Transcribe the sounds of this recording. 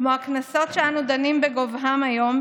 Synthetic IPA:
mo̞aknaso̞tʃeanud̪animbeɡovɦamajo̞m

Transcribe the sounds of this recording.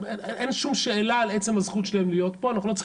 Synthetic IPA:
eeʔenʃumʃeelaːle̞t͡se̞mazχut̪ʃelaemlijo̞t̪poanaχulo̞t͡s

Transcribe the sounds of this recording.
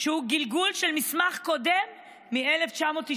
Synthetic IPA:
ʃehuɡilɡulʃelmismaχko̞d̪emː | ieleft͡ʃamo̞t̪i

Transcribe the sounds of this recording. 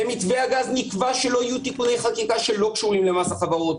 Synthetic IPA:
emitveaɡaznikvaʃelo̞ajutikune̞jχakikaʃe̞lo̞kʃuʁimlemasaχavaʁo̞t

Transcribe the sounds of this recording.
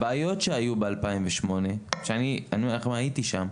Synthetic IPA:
baːjo̞tʃeajubealpaimveʃmo̞ne̞ʃeanianieχmaitiʃam

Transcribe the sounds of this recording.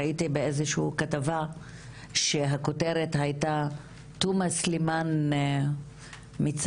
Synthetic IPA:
aitibeezeʃukatava | ʃeɦakoteɾetɦajta | tumasliman | mit͡s

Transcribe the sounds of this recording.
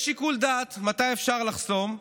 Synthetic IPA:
ʃikuld̪at̪mat̪ajefʃaʁlaχso̞m

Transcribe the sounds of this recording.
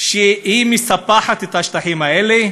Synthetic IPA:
ʃeimisapaħat̪et̪aʃt̪aħimaele

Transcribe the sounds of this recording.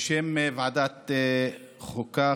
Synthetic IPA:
ʃemvʕad̪at̪e | χoka

